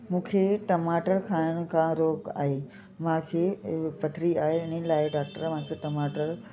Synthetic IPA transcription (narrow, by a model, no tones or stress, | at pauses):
mũːkʰeʈɐmaːʈəɾkʰaːɪɽ̃̆kʰãɾoːɡa̰ːɦe | mãkʰeːpɐt̪ʰɾiaːɦeɪnilaːɪɖaːk̚ʈəɾm̤ãːkʰeʈɐmaːʈəɾ